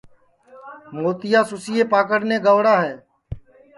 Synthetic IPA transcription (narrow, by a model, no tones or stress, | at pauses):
moːt̪ɪjaːsʊsɪjeːpaːk̬əɽneːɡəʋɽaːɦɛː